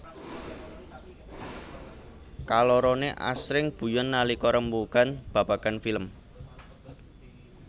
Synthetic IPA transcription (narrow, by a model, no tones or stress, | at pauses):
kalɔɾɔneʔa̰sɾɪŋb̥ṳjɔnːalikɔɾəmbukanb̥a̤b̥aɡ̥anfiləm